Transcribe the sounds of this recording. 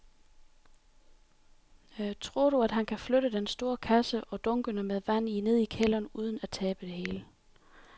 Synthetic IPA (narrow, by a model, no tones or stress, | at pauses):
t͡sʰʁo̝ɐ̰ɾuæd̥ɦænkʰæfløɾəd̥ensd̥o̝ːɐkʰæsəʔɒ̽d̥ɔ̽ŋɡ̥ənəmeðˠʋæn̰ine̝ð̰ˠikʰel̰ɐnuːð̞ˠn̩æt͡sʰɛːb̥əd̥e̝ɦe̝ːlə